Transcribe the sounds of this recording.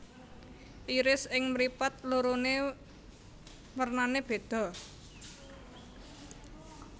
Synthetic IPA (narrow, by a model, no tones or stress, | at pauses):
ʔiɾɪsɪŋmɾipat̪̚luɾone | wərnaneb̥e̤d̪̥ɔ̤